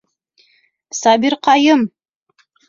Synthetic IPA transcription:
sɑbiɾqɑjɤm

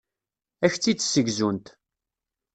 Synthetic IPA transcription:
æçt͡sːit͡sːsəɡzunt̪

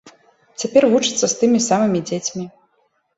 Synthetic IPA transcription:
t͡sʲapʲɛrvut͡ʂɨt̪sːɐst̪ɨmʲisamɨmʲid͡zʲet͡sʲmʲi

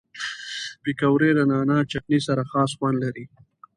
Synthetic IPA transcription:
pɪkawɾed̪ənɑːnat͡ʃak̚nisaɾaxɑːsxwand̪laɾi

